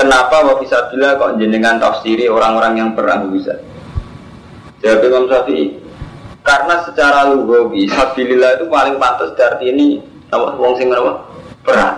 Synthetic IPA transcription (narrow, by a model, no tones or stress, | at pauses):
kənapawafisab̥ilakɔʔɲd͡ʒənəŋant̪afsiɾioɾaŋoɾaŋjaŋpəra̰ɡubisa̰ | d͡ʒəbapiimamsafiʔḭ | kaɾənasət͡ʃaɾaluɡɔɡisafililait̪upalɪŋpant̪əsd̥aart̪iːni | nama̰wɔŋsɪŋənapapəra̰